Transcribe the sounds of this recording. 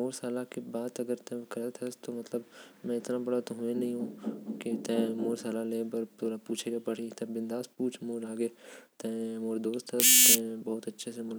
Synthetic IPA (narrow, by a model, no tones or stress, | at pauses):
moːɾsaːlakebaːt̪ɐɡəɾt̪ɛ̃ɪkɐɾət̪ʰɐst̪omɐt̪ləbmɛ̃ɪt̪nabɐɽat̪oɦʊ̃ẽnɐɦĩɦũːkit̪ɛ̃moːɾsaːlaleːbɐɾt̪oːɾapuːt͡ʃʰeɡapɐɽ̤it̪ɛ̃bɪ̃nd̪aːspuːt͡ʃʰmoːɾaːɡet̪ɛ̃moːɾd̪oːst̪ɐt̪ɛ̃bɐɦʊt̪ɐtːʃʰesemʊl